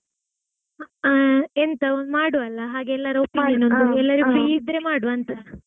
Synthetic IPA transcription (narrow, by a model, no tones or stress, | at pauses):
ent̪ɐond̪maːɽuɐlːɐɦaːɡeɛlːɐɾɐopinɐnondd̪uɛlːɐɾiɡufɾiːid̪ɾemaːɽuʋɐnt̪ɐ